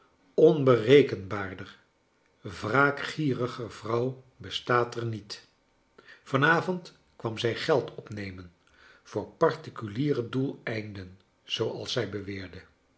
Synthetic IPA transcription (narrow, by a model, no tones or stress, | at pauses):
ɔnbərejkənbaːɹdər | vraːkχiːrəχəv̥rɑw | bəstaːtəɹnit | v̥ɑnaːvɔnt | kʋɑmzɛjχɛlˠtʰɔpnejmən | v̥ʊːɹpɑɹtikyliːrədulˠɛjndən | z̥owɑ̰lˠsɛjbəʋɪːɹdə